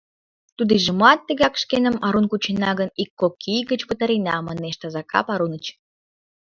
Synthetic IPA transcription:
t̪ud̪iʒə̆mɑt̪ːə̆ɣɑkʃkenə̆mɑɾunkut͡ɕenɑɣə̆nikːokʰijɡə̆t͡ɕpə̆t̪ɑɾinɑmɑneʃt̪ɑzɑkɑ̰pɑɾunə̆t͡ɕ

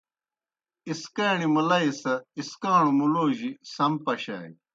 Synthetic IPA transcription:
iskaːɳimɐlɐisɐiskaːɳumuloːʑisɐmpɐɕa̰ːj

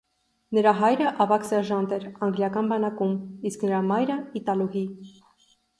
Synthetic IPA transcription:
nəɾɑɦɑjɾəʔɑvɑksɛɾʒɑnd̪ɛɾɑŋɡljɑkɑnbɑnɑkumisknəɾɑmɑjɾəit̪ɑluɦi

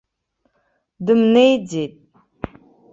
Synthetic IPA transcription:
dɨmnejd͡zet̚ʼ

